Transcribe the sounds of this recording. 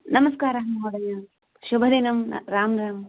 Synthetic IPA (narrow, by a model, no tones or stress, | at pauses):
nɐmɐskaːɾɐɦmɐɦoːɽɐjaː | ʃʊbʱɐd̪enɐm̰ɾaːmɾaːm